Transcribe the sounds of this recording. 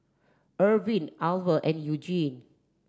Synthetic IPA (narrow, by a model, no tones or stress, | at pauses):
ʔəvĩnalvəʔɛ̃njud͡ʒĩn